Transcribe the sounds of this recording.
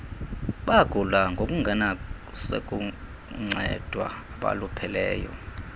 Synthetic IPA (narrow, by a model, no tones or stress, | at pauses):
ɓaɡ̥ʱulaŋɡʱokʼuŋɡʱana | sḛk̬ʼu | ŋ͡ǀʱɛd̥ʱwa̰aɓa̰lupʰɛlɛːjɔ̰